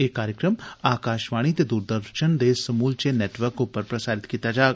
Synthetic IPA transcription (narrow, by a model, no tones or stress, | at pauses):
eːkaːɾjəkɾəmaːkaːʃʋaːɽ̃it̪ed̪uːɾd̪əɾʃənd̪eːsɐmuːlt͡ʃeneːʈʋəɾkʊpəɾpɾɐsaːɾɪt̪kiːt̪ad͡ʒaːɡ